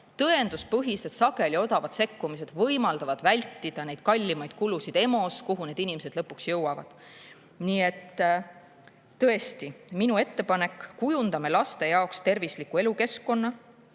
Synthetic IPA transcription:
t̪ɤ̞e̞nd̪̥uspɤɦise̞d̪̥sɑɡe̞lʲio̞d̪ɑvɑd̪̥se̞kːumise̞d̪̥vɤ̞jmɑld̪̥ɑvɑd̪̥vælʲt̪ˑːid̪̥ɑne̞jd̪̥̚kɑlʲːimɑjd̪̥̚kulusid̪̥e̞mo̞skuɦune̞d̪̥inimese̞d̪lɤpːuksjɤwɑvɑ̰d̪̥ | niːe̞t̪ | ɤ̞e̞st̪iminue̞t̪ːe̞pɑne̞kːujund̪̥ɑme̞lɑst̪e̞jɑokst̪e̞rvislikːˑue̞luke̞skːo̞nːɑ

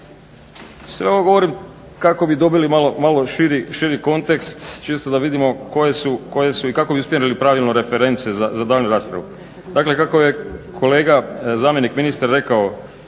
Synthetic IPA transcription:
sʋe̞oʋoɡo̞ʋo̞ɾim | kako̞bid̪o̞bilimalomalo̞ʃiɾiʃiɾiko̞nt̪e̞kst̪t͡ʃeːst̪od̪aʋid̪imo̞ko̞je̞suko̞je̞suikako̞biuspʲjenilipɾaːʋilˠnoɾe̞fe̞ɾe̞nt̪sezazad̪aːlnuɾaːspɾaʋu | d̪akle̞kako̞je̞kʰo̞leːɡazaːmje̞nikminist̪aɾːe̞kao

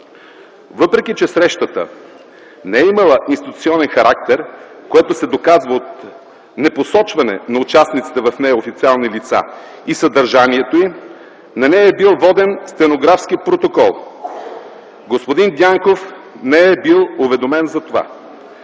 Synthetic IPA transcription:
vɤpɾɛk̟it͡ʃɛsɾɛʃt̪ət̪ə̰ | nɛɛimɐlˠəʔinst̪it̪ut̪siɔnɛnxɐɾʔak̚t̪ɛɾkoɛt̪osɛd̪okazvəot̪ | nɛposɔt͡ʃvɐnɛ̰nɐʊt͡ʃasnit̪si̥t̪ɛvɐfnɛjɐofit̪sialˠnilit̪sa̰ | isɐd̪ɐɾʒaniɛt̪oi | nɐnɛjɛbilˠvɔd̪ɛnst̪ɛnoɡɾafskipɾot̪okɔlˠ | ɡospod̪ind̪ʲaŋkof | nɛɛbilˠovɛd̪omɛnzɐt̪ova̰

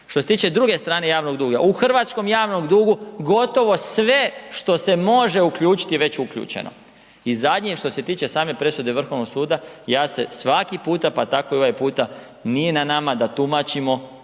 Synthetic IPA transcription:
ʃt̪oset̪iːt͡ʃe̞d̪ɾuɡe̞st̪ɾaːne̞jaːʋno̞ɡd̪uːɡaʔuxr̩ʋat̪sko̞mjaːʋnoɡd̪uːɡuɡo̞t̪o̞ʋo̞sʋe̞ʃt̪o̞se̞mo̞ʒe̞ukʎuːt͡ʃi̥t̪iʋe̞t͡ɕukʎṵːt͡ʃḛno̰ | izad̪ʲɲeʃt̪o̞se̞t̪iːt͡ʃe̞saːme̞pɾe̞sud̪e̞ʋr̩xo̞ʋno̞ɡsuːd̪ajaːsesʋakipuːt̪apat̪akoioʋajpuːt̪a | nijenanamad̪at̪umat͡ʃimo̞

